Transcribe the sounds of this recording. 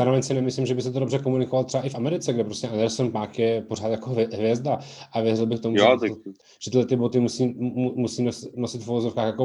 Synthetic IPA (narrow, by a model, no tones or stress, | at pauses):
zaːɾovɛɲsɪnɛmɪslimʒɛbɪsɛt̪odobrɛkomunɪkovalt̪r̥ɛbaʔɪfʔamɛɾɪt͡sɛɡdɛpɾo̞scʲɛʔand̪ɛɾsonpaːxjɛporaːt̪jakoɦɦvjɛzdaʔavjɛrɪlbɪxt̪o̞muɛ | ʒ̥ɛt̪ɪdlɛt̪ɪbot̪ɪmusiːumusiːnosnosɪt̪fuvozofkaːxjako